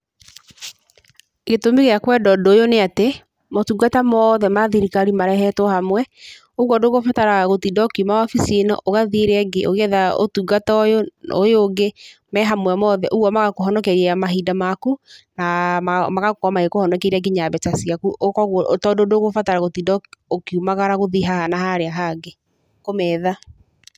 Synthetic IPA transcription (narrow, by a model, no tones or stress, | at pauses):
ɣetomeɣeakwɛdɔdoːjoneate | motuɡatamɔðɛmaðiɾikaɾimaɾɛɦɛtɔhamwɛ | oɣwɔdoɣofataɾaɣotidɔkimawafisienɔ̰ʔoɣaðieɾɛɡeʔoɣɛðao̰tuɡatɔjoojoɡemɛɦamwɛmɔðɛʔoɣwɔmaɣakoɦɔnɔkɛɾiɛamaɦidamakunaamaɣakkamaɣekohɔnɔkeɾɛɡiɲaβɛt͡ʃasiakuʔokɔɣtɔdodoɣofataɾaɣotidɔokiumaɣaɾaɣoðiɦahanahaɾeaɦaɡe | komɛːða